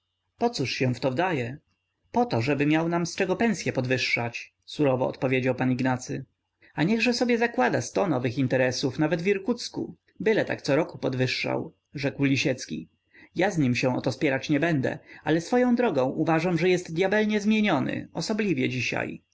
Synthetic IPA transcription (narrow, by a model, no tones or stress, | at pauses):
pɔt̪suʂɕɛ̃ft̪ɔvd̪ajɛ | pɔt̪ɔʐɛbɘmʲjawnamst͡ʂɛɡɔpɛ̃ñsʲjɛpɔd̪vɘʂːat͡ɕ | suɾɔvɔ̰ɔ̰t̪pɔvʲjed͡ʑawpaniɡnat̪sɘ | aɲɛɣʐɛsɔbʲjɛzakwad̪ast̪ɔnɔvɘxint̪ɛɾɛsufnavɛd̪vʲiɾkut̪skṵ | bɘlɛt̪a̰kt̪sɔɾɔkupɔd̪vɘʂːa̰w | ʐɛkwlʲiɕɛt̪skʲḭ | jazɲimɕɛ̃ʔɔ̰t̪ɔspʲjɛɾat͡ɕɲɛbɛnd̪ɛ̰alɛsfɔjɔ̃w̃d̪ɾɔɡɔ̃w̃ʔuvaʐamʐɛjɛst̪d̪jabɛlɲɛzmʲjeɲɔnɘ̰ɔsɔblʲivʲjɛd͡ʑiɕa̰j